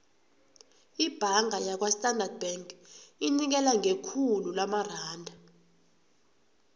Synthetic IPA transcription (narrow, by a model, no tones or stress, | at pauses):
ib̥ʱaŋajak̬wastʼandard̚bɛŋkʼinik̬ɛlaŋʱekʰululamaraːndʱa